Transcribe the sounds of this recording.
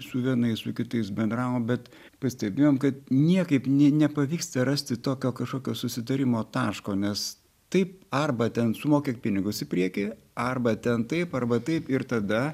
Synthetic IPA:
sʊʋʲiɛnɐɪssʊkʲɪt̪ɐɪsbʲɛnd̪ɾɑːʋoːmbʲɛt̪ | pɐsʲt̪ʲɛbʲeːjoːmkɐt̪nʲiɛkɐɪpnʲɛnʲɛpɐʋʲiːkst̪ɐɾɑːsʲt̪ʲɪt̪oːkʲoːkʲɐʃkoːkʲoːsʊsʲɪt̪ɐɾʲɪmoːt̪ɑːʃkoːnʲɛs | t̪ɐɪp̚ɐrbɐt̪ʲɛnsʊmoːkʲek̚pʲɪnʲɪɡʊsɪpʲɾʲiɛkʲi | ɐrbɐt̪ʲɛnt̪ɐɪpɐrbɐt̪ɐɪpɪɾt̪ɐd̪ɐ

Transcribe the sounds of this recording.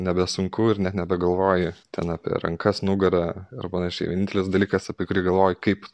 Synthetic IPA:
nʲɛbʲɛsʊŋkʊːɪrnʲɛt̪nʲɛbʲɛɡɐlˠʋoːjɪt̪ʲɛ̰nɑːpʲḭɾɐ̰ŋkɐsnʊɡɐɾɐɐ̰rpɐnɐʃʲɛɪʋʲɛnʲɪnʲt̪ʲɛlʲɪsd̪ɐlʲiːkɐsɐpʲiɛkʊɾʲiːɡɐlˠʋoːjʊkɐɪp

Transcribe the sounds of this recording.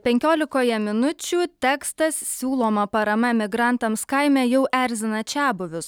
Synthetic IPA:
pʲɛŋʲkʲoːlʲɪkoːjɛmʲɪnʊt͡ʃʲuːt̪ʲɛːkst̪ɐssʲuːlˠoːmɐpɐɾɐmɐmʲɪɡɾɐnt̪ɐmskɐɪmʲɛːjɛʊʔæɾʲzʲɪnɐt͡ʃʲæːbʊʋʲʊs

